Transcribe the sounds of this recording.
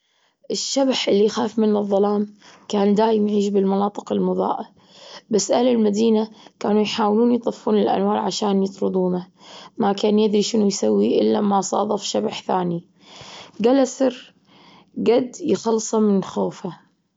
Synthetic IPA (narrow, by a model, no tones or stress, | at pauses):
ʔɪʃːabaħʔɪlːixaːfmɪnːɨðˤːɑlaːmkaːnd̪aːjɪmjʕiːʃbɪlmɑnɑːt̪ˤɨqɪlmʊðˤɑ̰ːʔa | basːʔahlɪlmad̪iːnakaːnujħaːwluːnjt̪ˤɨfːuːnɪlʔa̰nwɑːɾˤʕaʃaːnjɪt̪ɾʊd̪ˤuːna | makaːnjɪd̪ɾiʃɪnujsawːiʔɪlːamasˤɑ̰ːðˤɑfʃabaħθaːni | ɡalasɪɾ | ɡad̪jxɑlsˤɑmɪnxoːfa